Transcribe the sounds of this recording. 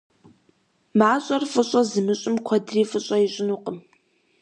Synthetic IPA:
maːɕʼɐrfʼɨɕʼɐzɨmɨɕʼɪmkʷʰɔdriːfʼɨɕʼɐjɪɕʼɪnuqʼəm

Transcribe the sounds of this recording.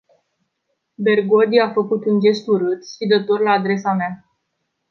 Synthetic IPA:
be̞rɡo̞d̪iafəkut̪und͡ʒe̞st̪uɾɨt̪sʃid̪ət̪orlaːd̪ɾe̞samea

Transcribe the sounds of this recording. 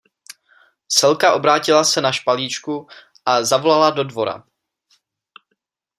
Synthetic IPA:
sɛlkaʔo̞bɾaːcɪlasɛnaʃpaliːt͡ʃku | ʔazavo̞lalado̞dvoɾa̰

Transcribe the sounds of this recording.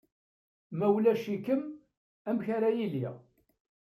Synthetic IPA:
mæwlæʃikəm | æmçaɾæjiliʁ

